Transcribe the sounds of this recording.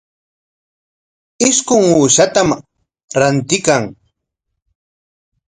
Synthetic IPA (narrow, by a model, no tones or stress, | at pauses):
ɪskʊŋuːʃat̪am | ɾant̪ɪkaŋ